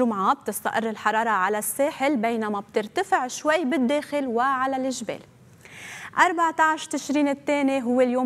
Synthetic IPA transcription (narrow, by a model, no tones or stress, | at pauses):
ʊmʕaːb̚t̪ɪst̪a̰ʔɪrˤːɪlħɑɾˤɑːɾˤɑʕalasːeːħɪlbejnamab̚t̪ɪɾt̪afɪʕʃwajːbɪd̪ːeːxɪlwɪʕalalʔɪʒbḛːl | ʔɑɾˤbaʕt̪aʕʃɾt̪ɪʃɾiːnɪt̪ːeːniɦʊwːeljoː